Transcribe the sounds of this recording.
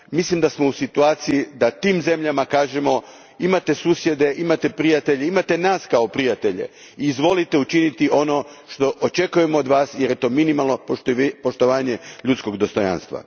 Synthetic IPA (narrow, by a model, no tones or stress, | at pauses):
mislimd̪asmo̞usit̪uaːt̪sijid̪at̪iːmze̞mʎamakaːʒe̞mo̞ | imat̪e̞suːsje̞d̪e̞ʔimat̪e̞pɾijat̪e̞ʎeimat̪e̞naːskao̞pɾijat̪e̞ʎe̞̰ | iːzʋo̞lit̪e̞ut͡ʃinit̪iʔo̞no̞ʃt̪o̞ʔot͡ʃe̞kuje̞mood̪ʋaːsjeɾjet̪o̞ːminimalˠno̞ppo̞ʃt̪o̞ʋaːɲe̞ʎut̪sko̞ɡd̪o̞st̪o̞ja̰nst̪ʋa̰